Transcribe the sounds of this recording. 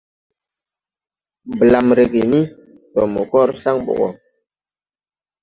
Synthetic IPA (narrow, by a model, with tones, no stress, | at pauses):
bla˨mɾe˨ke˨ni˦ | tɔ˨mo˨kɔ˦ɾsa˦ŋɓɔ̰˨ɣɔ̰˨